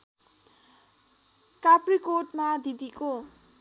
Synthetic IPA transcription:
kaprikoʈmad̪id̪iko

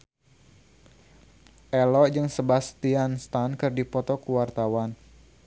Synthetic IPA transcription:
ʔɛlɔʔd͡ʒɨŋsəbast̪ianst̪ankɨrdipɔt̪ɔkuwart̪awan

